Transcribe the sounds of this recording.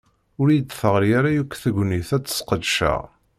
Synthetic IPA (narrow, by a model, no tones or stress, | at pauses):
ʊɾid̪θəʁɾjaɾajukʷːθəɡʷniθæt͡sːə̥sqəd̪ʃæ̰